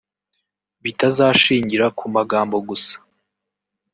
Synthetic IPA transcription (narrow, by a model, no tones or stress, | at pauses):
βitazaːʃiːɲɟiɾakʰumaɡaːmbo̞ɡusḁ